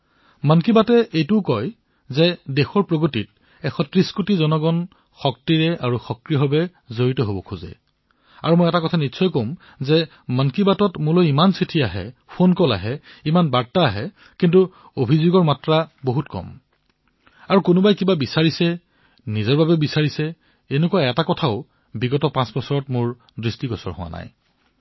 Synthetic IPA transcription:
mankibatɛʔejtʊʊkɔj | zɛdexɔɹpɹoɡotit̚ | ɛxʰɔtɹiskutizɔnɔɡɔn | xɔk̚tiɹɛʔaɹuxɔkɹiɦɔbɛ | zoɹitɔɦobɔkʰuzɛ̰ | a̰ɹumojɛtakɔtʰanitsʰɔjkoʊm | zɛ | mankibatɔtmʊlojimansitʰiaɦɛ̰pʰonkɔla̰ɦɛimanbaɹtaːɦɛ | kintu | obʱizoɡɔɹmatɹaboɦutkɔ̰m | aɹukʊnʊbajkibabisaɹisɛ | nizɔɹbabɛbisaɹisɛ | enʊkuaɛtakɔtʰaʊ | biɡɔtɔpãsbɔsɔɹɔtmʊɹ | dɹistiɡɔsɔ̰ɹhʊwa̰na̰j

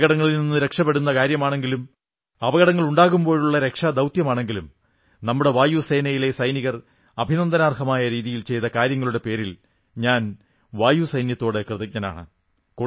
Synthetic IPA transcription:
ɣɐɽɐŋːɐɭilninːɨɾe̞kʂɐpːeɽunːɐkaːɾjɐmaːɳe̞ŋɡilum | ɐʋɐɣɐɽɐŋːɐɭuɳɖaːɣumbo̞ːɻuɭːɐɾe̞kʂad̪ɐwt̪jɐmaːɳe̞ŋɡilum | nɐmːuɽe̞ʋaːjuse̞ːnɐjile̞sɐjniɣɐr | ɐbʱinɐnd̪ɐnaːrhɐmaːjɐɾiːðijilt͡ɕe̞jt̪ɐkaːɾjɐŋːɐɭuɽe̞pe̞ːɾil | ɲaːn | ʋaːjusɐjnjɐt̪ːo̞ːɽɨkrɨðɐk̚ɲɐna̰ːɳɨ̰ | ko

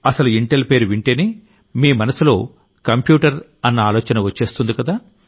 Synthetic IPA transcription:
ɐsɐluiɳʈelpe̞ːɾuʋiɳʈeːneː | miːmɐnɐsilo̞ː | kɐmpjuːʈɐɾ | ɐnːɐaːloːt͡ʃɐnɐʋɐt͡ʃːe̞ːst̪und̪ikɐd̪aː

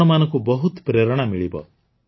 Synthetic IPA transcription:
ɔmanɔŋkubɔɦut̪pɾeɾɔɽ̃amiɭibɔ̰

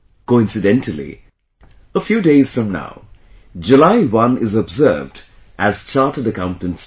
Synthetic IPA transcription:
koɪ̃nsɨdɛ̃ntʰəlḭ | əfjuːdeɪz̥fɹʌ̃mna̰ʊ | d͡ʒulaɪwʌ̃nɪzəbzə̰ːvd | ʔæz̥t͡ʃaːˑtədəkãʊ̃ntə̃nts

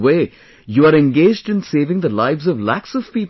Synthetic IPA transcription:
weː | juaɾɛ̃nɡeːd͡ʒɖɪ̃nseːvɪ̃ŋd̪əlaɪʋzɔvlæksɔv̥piːp

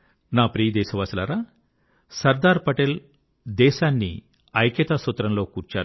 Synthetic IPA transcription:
naːpɾiːjd̪ɛːʃɐʋaːsilaːɾaː | sɐɾd̪aːɾpɐʈel | d̪ɛːʃaːnːḭ | ɐjkɐt̪aːsut̪ːɾɐmloːkuːɾt͡ʃaːɾ

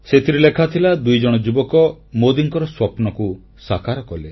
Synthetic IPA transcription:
set̪ʰiɾelekʰat̪ʰilad̪ujd͡ʒɔɽ̃ɔd͡ʒubɔkɔ | mod̪iŋkɔɾɔswɔpnɔku | sakaɾɔkɔle

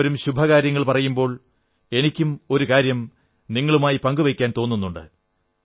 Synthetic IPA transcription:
ɾumɕubʱɐkaːɾjɐŋːɐɭpɐrɐjumbo̞ːɭ | e̞nikʲːumo̞ɾukaːɾjɐm | niŋːɐɭumaːjipɐŋɡuʋɐkʲːaːnt̪o̞ːnːunːuɳɖɨ̰

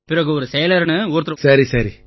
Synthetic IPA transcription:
pɪɾɐɣɯɔɾɯsɛjɐlɐɾnɯuːɾt̪ːɯɾɐsɐɾisɐɾi

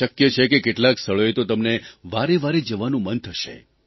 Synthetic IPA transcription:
əkjət͡ʃʰekekeʈlãkst̪ʰəɭoet̪ot̪əmneʋaɾeʋaɾed͡ʒəʋanũmənt̪ʰəʃḛ

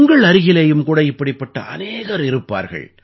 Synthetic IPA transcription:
ŋɡɐɭɐɾɪɣɪlɐjɯmkuːɽɐɪpːɐɽɪpːɐʈːɐ̰ʔɐ̰neːɣɐɾɪɾɯpːa̰ːɾɣɐ̰ɭ

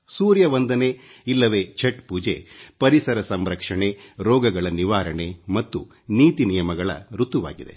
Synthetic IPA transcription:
suːɾjɐʋɐnd̪ɐne̞ilːɐʋeːt͡ʃʰeʈpuːd͡ʒḛːpɐɾisɐɾɐsɐmɾɐkʂɐɳe̞ɾɔːɡɐɡɐɭɐniʋaːɾɐɳe̞mɐt̪ːṵ | niːt̪inijɐmɐɡɐɭɐ̰ɾut̪uʋa̰ːɡid̪e̞̰

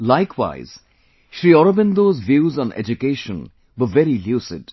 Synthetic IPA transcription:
laɪkʰwa̰ɪz̥ | ʃɾiːɔɾəbɪ̃nd̪oːzʋjuːzɔ̃nḛd͡ʒukeːʃə̃n | wəvɛɾiljuːsɪ̰ɖ

